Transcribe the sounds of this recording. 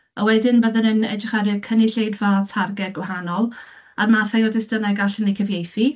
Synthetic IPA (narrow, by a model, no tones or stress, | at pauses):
əwɛdɪnbəðənənɛ̰d͡ʒɪχɛɾɪkʰənɪɬejdvatʰarɡɛɡwaɦanɔlˠ | armaθajɔdɪsdənaɡaɬənejkʰəvjejθi